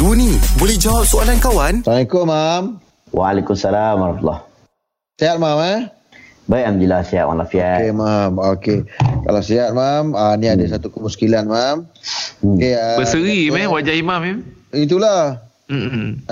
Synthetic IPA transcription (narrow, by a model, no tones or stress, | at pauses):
dunibolɛhd͡ʒawap̚sualankawantanikomam | walekumsalamaɾft̪ulːɔ̰h | siat̪̚mamɛ | bajʔamd̪ilahsia̰ʔ̪wa̰nlafiɛkemamokeka̰lawsiat̪̚maməniadəsat̪ukəmuskilanmam | keəbəsəɾimɛwad͡ʒaimamimit̪̬ulah̩